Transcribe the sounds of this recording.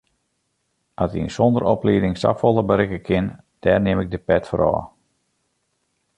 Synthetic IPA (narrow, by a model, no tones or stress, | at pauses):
ʔatiənsɔndəɾɔpliːdɪŋsɑ̰folˠəbəɾɪkəkʰɪn | d̥ɛːrnɪmɪɡ̚dəpɛtfəɾɔ̰ː